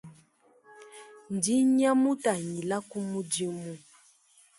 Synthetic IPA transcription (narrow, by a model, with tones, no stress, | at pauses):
n̩˨di˦ɲa˦mu˦ta˨ɲi˨la˦ku˦mu˦di˦mu˦